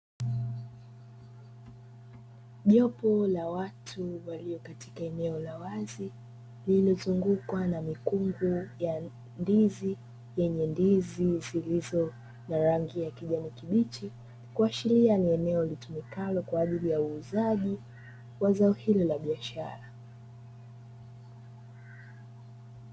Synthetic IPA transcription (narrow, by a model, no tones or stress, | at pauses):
ʄɔpɔlawatʰuwaliɔkati̥kaɛnɛɔlawazi | lilɔzuŋɡukwanamikuŋɡuja | ndizi | jɛɲɛndizizilizɔ | naɾaŋɡijakiʄanikiɓit͡ʃi | kuaʃilianiɛnɛɔlitumikalɔkwaːʄilijauːzaʄi | wazaɔhilɔlaɓiaʃaɾa